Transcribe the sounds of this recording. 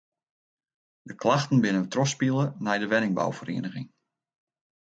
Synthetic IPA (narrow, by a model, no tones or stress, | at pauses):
dəkʰlaxtən̩bɪnəʋətrɔspilˠənɛjdəʋɛnɪŋba̰wfərḛːnəɣɪŋ